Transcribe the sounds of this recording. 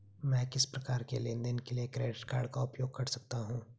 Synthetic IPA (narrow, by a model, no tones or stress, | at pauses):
mɛ̃ːkɪspɾɐkaːɾkelẽnd̪ənkeliekɾeːɖɪʈka̰ːɽkaʊpjoːɡ̚kɐɽsɐk̚t̪aɦũː